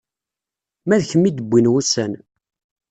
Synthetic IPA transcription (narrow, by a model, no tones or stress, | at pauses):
mæðçəmːid̪əbʷːinwusæn